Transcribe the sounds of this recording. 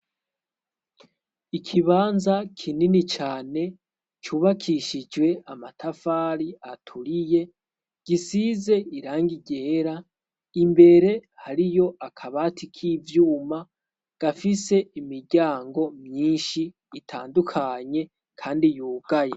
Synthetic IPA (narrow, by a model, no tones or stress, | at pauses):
ikʰiβaːnzakʰininit͡ʃaːne̞ | t͡ʃuːβakʰiʃid͡ʒwe̞amatʰafaːɾiatʰuɾije̞ | ɡ̥isize̞iɾaːŋɡiɟe̞ːɾa | imbe̞ɾe̞haɾijo̞ʔakʰaβatʰikʰivjuːma | ɡ̥afise̞imiɾɟaːŋɡo̞mɲiːnʃiː | tʰa̰ːndukʰaɲe̞ | kʰaːndijuːɡ̥aje